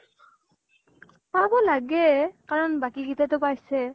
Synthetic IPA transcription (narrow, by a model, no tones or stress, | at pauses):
pabɔlaɡɛkaɹɔnbakiɡitɛtʊpajsɛ